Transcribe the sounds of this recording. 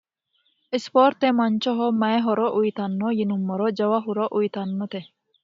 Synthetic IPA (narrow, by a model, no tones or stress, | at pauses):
ispɔːɾt̪ːemɐnt͡ʃɔɦɔmɐɦɔɾɔʔujt̪anːɔjinumːɔɾɔd͡ʒɐwaɦuɾɔʔujt̪anːɔt̪e